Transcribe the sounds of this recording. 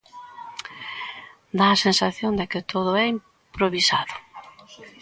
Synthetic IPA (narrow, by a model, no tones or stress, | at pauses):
d̪aːsensaθjond̪ɪkɪt̪ʰoð̞ʊɛim | pɾoβisaðʊ